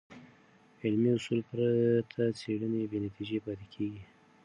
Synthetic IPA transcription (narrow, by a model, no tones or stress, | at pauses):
ɪlmiʊsulpɾat̪ʰat͡seɽənewenat̪id͡ʒepɑt̪ekʰeɡi